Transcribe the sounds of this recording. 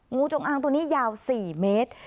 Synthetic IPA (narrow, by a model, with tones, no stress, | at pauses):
ŋuː˧˥t͡ɕo˧ŋʔaː˧ŋt̪u˧niː˦˥jaː˧wsiː˨˩meː˦˥t̪̚